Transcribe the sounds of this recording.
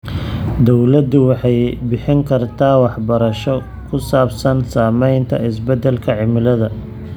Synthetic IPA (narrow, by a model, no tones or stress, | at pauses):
d̪ɔwlɐd̪ʊwɑħɑjbɪħɪŋkʰɐrt̪ʰaːwɑħbɐɾɐʃɔ | kʰʊsaːbsɐnsaːmɛjnt̪ʰɐ̰ɪsbɛd̪ɛlkʰɐʕɪmɪlɐðɐ